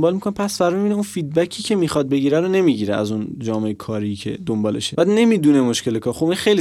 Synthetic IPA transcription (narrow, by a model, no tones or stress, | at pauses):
mbɒːlmikʰonepʰæsfæɾmibiːneunfiːd̪̚bæcʰiːcʰe̞miːxɒd̪̚be̞ɟiːɾæɾone̞miːɟiːɾeæ̰zund͡ʒɒːmeekʰɒːɾiːcʰe̞̰d̪ombɒːle̞̰ʃebæːd̪ne̞miːd̪unemoʃkce̞lekʰɒːɾxobinxejli